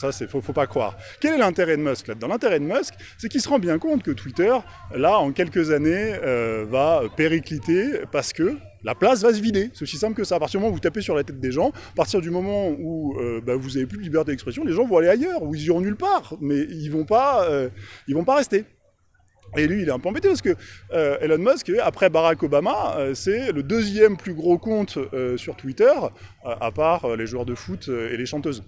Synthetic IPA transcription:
sasɛfofopakχwa̰ːʁkʲɛlɛlɛ̃t̪eʁɛd̪mœsklad̪ɑ̃lɛ̃t̪eʁɛd̪əmœsk | sɛkʲilsəʁɑ̃bjɛ̃kɔ̃t̪kət̪wit̪œʁ | laɑ̃kʲɛlkəzaneøvaøpeʁiklit̪epaʁsə̥kə | la̰plas̬vas̬əvid̪esɛt̪osi̥sɛ̃pləkəsaːpat̪iʁmɔm̃vut̪apesyʁlat̪ɛt̪̚d̪eʒɑ̃apaʁt̪iʁd̪ymɔmɑ̃uøbavuzavep̬yd̪libɛʁt̪ed̪ɛkspχɛsjɔ̃leʒɑ̃vɔ̃aleajœʁuilziʁɔ̃nylpaːʁmɛilvɔ̃paøilvɔ̃paʁɛst̪e | elɥiːlɛt̪ɛ̃pøɑ̃bet̪epaʁsəkəøelɔnmɔskapχɛbaʁakɔbamaøsɛləd̪øzjɛmplyɡʁokɔ̃t̪øsyʁt̪wit̪œʁ | øʔa̰paʁøleʒwœʁd̪əfut̪øḛleʃɑ̃t̪øːz

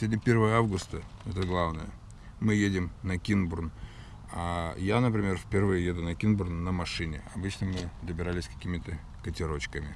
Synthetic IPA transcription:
sʲvodʲnʲɪpʲe̞rvəəavɡʊst̪əɛt̪əɡlˠavnəjə | mɨjedʲɪmnɐkʲinbʊrn | ajanəp̬ɾʲɪmʲe̞rfʲpʲɪrvɨjəjed̪ʊnɐkʲinbʊrnnəmɐʂɨnʲɪ̰ɐbɨt͡ɕnəmɨd̪əbʲɪɾalʲɪsʲkɐ̥kʲimʲɪt̪ə | kətʲɪɾo̞t͡ɕkəmʲɪ

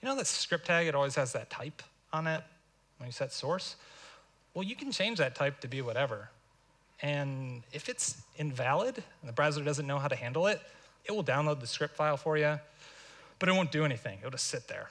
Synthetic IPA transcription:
jɨñoʊðɨtskɹɪp̚tʰæɡɨɾɔlˠwiz̥ɨzðɨtʰaɪp | n̩ɪt̚ | wə̃njɨsɛtsɔɹs | wɛlˠjɨkʰn̩t͡ʃʰẽɪ̃nd͡ʒðɨtʰaɪp̚tʰɨbiwʌɾɛvə˞ | ɨ̃nɪfɨtsɨ̃ɱvælˠədn̩ðəbɹæzlˠə˞dʌz̃nːoʊɦaʊɾɨhæ̃ndˡl̩ˠɪt̚ɨt̚wlˠdãʊ̃nloʊd̪̚ðɨskɹɪp̚tfaɪlˠfə˞jɨ | b̥ʌɾɨt̚õʊ̃nd̥ɨɛñiθɪ̰̃ŋɨtl̩ˠd͡ʒʌstsɪt̪̚ðə̰˞

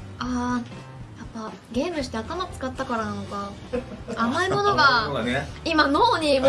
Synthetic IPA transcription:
aː | japːa | ɡʲe̞ːmɯ̟ɕi̥t̪eat̪amat͡sɨ̥kat̪ːakaɾanano̞ka | amaimo̞no̞ɡaneimano̞ːɲ̟i

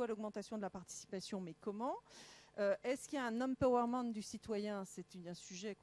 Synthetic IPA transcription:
walɔɡmɑ̃t̪asjɔ̃d̪əlapaʁt̪i̥si̥pasjɔ̃mɛkɔmɑ̃øɛskʲiljaɛ̃nɔmpawɛʁmɑ̃nd̪ysit̪wajɛ̃sɛt̪ɛ̃syʒɛk

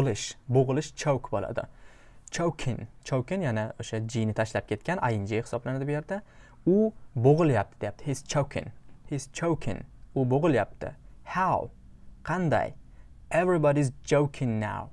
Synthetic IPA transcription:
lɪʃboʁɨlˠɪʃt͡ʃʰowkbolˠa̰d̪ɪ̰ | t͡ʃʰowkʲʰɪnt͡ʃʰowkʲɪnjanaoʃad͡ʒijnɪt̪ʰaʃlap̚kʲʰe̞t̪̚kʲana̰jɪnd͡ʒejhɪ̥sɒblanad̪abjeɾd̪a | ʊboʁɨlˠjap̚t̪ʰɪd̪ejap̚t̪ʰɪhɪz̥t͡ʃʰowkʰʲɪ̰̃nhɪz̥t͡ʃʰowkʲʰɪ̰̃nʊboʁɨlˠjap̚t̪ʰɪ̰haw | qʰɑnd̪a̰j | evɾibɒɾizd͡ʒowkʲʰɪ̃ŋna̰w

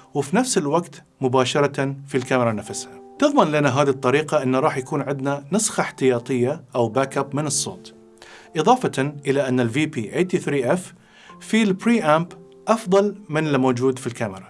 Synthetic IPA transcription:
wɪfinafsɪlwaɡt̪ | mʊbaːʃɑɾˤɑfilkamɪɾˤɑnafashat̪ɨðˤmanlanaɦaːðit̪ˤːɑɾiːqɑʔɪnːaɾˤɑːħjakuːnʕɪd̪nanɨsxɑħt̪ɪjɑːt̪ˤɨjːaʔawbaːkabmɪnɨsˤːo̰ːt̪ | ʔɨðˤɑːfɑnʔɪlaʔanːalviːpiːʔeːt̪iθɾiːʔɛfː | ilpɾiːʔaːmb | ʔɑfðˤɑlmɪnlɪmoːd͡ʒuːd̪filkamɪɾˤɑ

